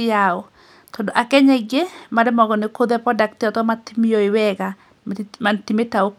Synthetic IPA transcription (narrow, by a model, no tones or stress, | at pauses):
ɪaɔ | tɔndɔʔakɛɲɛɡemaɾɛmɔɡɔnɪkoðɛpɾɔdak̚tɪɔtɔmatimijoiwɛɣa | mantimetao